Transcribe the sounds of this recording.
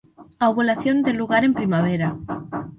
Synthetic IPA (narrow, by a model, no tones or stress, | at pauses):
aβolaθjond̪eluɣaɾe̞mpɾimaβ̞eɾa